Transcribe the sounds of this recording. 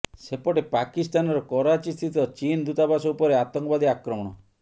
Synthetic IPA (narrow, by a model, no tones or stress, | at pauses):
sepɔʈepakist̪anɔɾɔkɔɾat͡ʃist̪ʰit̪ɔt͡ʃind̪ut̪abasɔupɔɾeat̪ɔŋkɔbad̪iakɾɔmɔɽ̃ɔ